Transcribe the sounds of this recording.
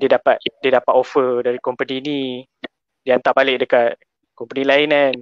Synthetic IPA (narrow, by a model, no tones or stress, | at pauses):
diədapat̪̚diədapat̪ofədaɾikompənini | diant̪aʔbalɪʔ̚dəkat̪̚ | kɔmpənilaɪnan